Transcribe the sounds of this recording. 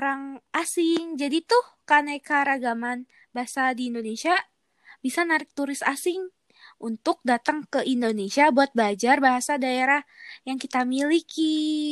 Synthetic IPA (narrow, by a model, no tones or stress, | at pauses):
oɾaŋʔasɪŋd͡ʒadit̪ʊhkanajkaɾaɡaman | baɦasadiːndonesia | bisanaɾɪk̚t̪uɾɪst̪asɪŋ | ʔunt̪ʊk̚dat̪aŋkəʔindonesiabuat̪̚bəad͡ʒarbaɦasadaeɾahjaŋkit̪amiliki